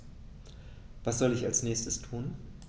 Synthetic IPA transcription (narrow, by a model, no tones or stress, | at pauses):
v̥asz̥ɔlɪçalsnɛːçstəstʰuːn